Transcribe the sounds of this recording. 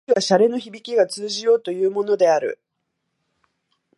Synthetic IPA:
iβaɕaɾe̞no̞çibʲikʲiɡat͡sɨːʑijo̞ːt̪o̞jɯ̟ːmo̞no̞d̪e̞aɾɯ̟̰

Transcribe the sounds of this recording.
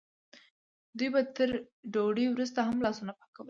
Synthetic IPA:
d̪ujbat̪əɾ | ɖoɽiwɾust̪aɦamlɑsunapḁkawə

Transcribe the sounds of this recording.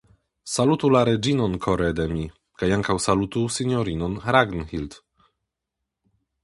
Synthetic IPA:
salut̪ulaɾɛd͡ʒinɔnkʰɔɾɛd̪ɛmʲi | kajaŋkawsalut̪usinʲɔɾinɔnɾaɡnxilt̪

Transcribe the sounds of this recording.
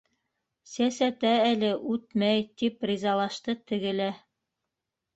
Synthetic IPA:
sæsæt̪æælɘʔʉt̪mæjt̪iprʲizɑlˠɑʃt̪ɤt̪ɘ̆ɡɘ̆læ

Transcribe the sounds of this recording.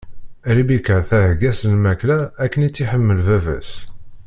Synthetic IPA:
ɾibikəɾθæɦɡæsənmæklæːkːənit͡sːiħəmːəlvævæ̰s

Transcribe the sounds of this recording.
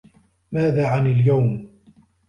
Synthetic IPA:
maːðaːʕanaljawm

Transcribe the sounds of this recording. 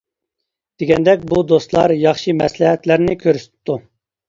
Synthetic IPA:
d̪̥eɡʲɛnd̪ɛk̚ʲbud̪ost̪lˠɑ̰ɾjɑχʃɨmɛslɪɦɛt̪læɾnɪkʲʰøɾsɪ̥t̪t̪ːu

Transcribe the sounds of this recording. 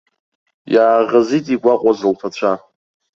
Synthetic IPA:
jaːʁazitʼiɡʷaqʷʼazɨlpʰat͡ɕʷʰa

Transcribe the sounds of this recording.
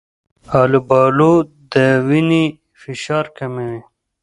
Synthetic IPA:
aːlubɑːlu | d̪əwini | fiʃɑːɾkɐmewe

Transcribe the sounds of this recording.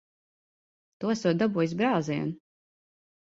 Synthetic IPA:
t̪usuːt̪̚d̪abuːjis̬bɾaːziɛn

